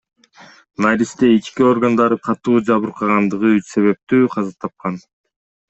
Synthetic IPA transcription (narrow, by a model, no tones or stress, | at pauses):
naɾʲist̪eit͡ʃkio̞rɡand̪ɑɾɯqʰɑt̪uːd͡ʒɑβɯɾqʰɑʁɑnd̪ɯʁɯyse̞βe̞p̚t̪yːqʰɑzɑt̪ʰɑp̚qɑn